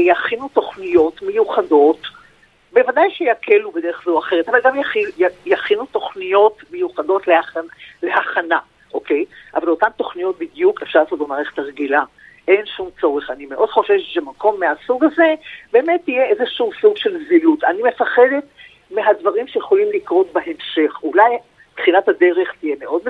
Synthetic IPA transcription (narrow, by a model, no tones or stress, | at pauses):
jaχinuto̞χnijo̞tmejuχado̞t | be̞vadajʃejakʰelubed̪e̞ʁeχzeuaχeʁ̞etavalɡamjaχijajaχinuto̞χnijo̞tmejuχado̞tleale̞haχana | ʔoke̞jʔavalotamto̞χnijo̞t̪̚bidjukefʃaʁlsotlomaʁeχt̪aʁɡila | ʔe̞nʃumt͡so̞ʁeχanimeʔo̞d̥χo̞ʃevʃemako̞mːeasuɡazebeːmetːijeezeʃuusuɡʃe̞lzilutanime̞faχe̞d̪e̞t | meɦadvaʁimʃejeχo̞limlikʁo̞tbehe̞mʃe̞χulaj | tχinathade̞ʁe̞χt̪ije̞meʔo̞d̚m